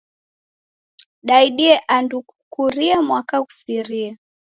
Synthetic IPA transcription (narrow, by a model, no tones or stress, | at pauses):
ɗaiɗiɛʔanduukuɾiamwakaku̥siɾiɛ